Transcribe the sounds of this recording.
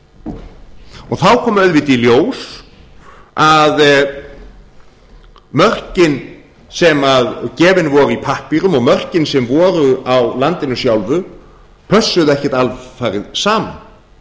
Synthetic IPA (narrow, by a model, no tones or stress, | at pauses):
ɔɣθawkʰɔːmœɥðvɪt̪iljoːws | að | mœr̥cɪn | sɛmaðcɛːvɪnvɔːɾʏipʰahpiɾʏmɔɣmœr̥cɪnsɛmvɔːɾʏawlant̪ɪnʏsjawlvʏ | pʰœsːʏðɛhcɛt̪alvfaːjɾɪðsaːma̰n